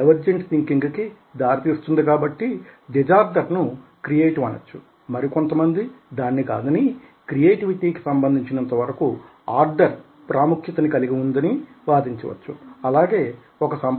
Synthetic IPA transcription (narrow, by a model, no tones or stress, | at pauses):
ɐʋɐɾd͡ʒeɳʈt̪iŋkiŋɡki | d̪aːɾit̪iːst̪und̪ikaːbɐʈːid̪ɛd͡ʒaːɾɖɐɾnukɾijeːʈiʋɐnɐ̰t͡ʃːu | mɐɾiko̞nt̪ɐmɐnd̪id̪aːnːikaːd̪ɐni | kɾijeːʈiʋiʈiːki̥sɐmbɐnd̪ʱiɲt͡ʃinɐnt̪ɐʋɐɾɐku | aːɾɖɐɾ | pɾʔaːmukʰjɐt̪ɐnikɐliɡiund̪ɐni | ʋaːd̪iɲt͡ʃɐʋɐ̰t͡ʃːuɐlaːɡe̞ː | ɔkɐsɐm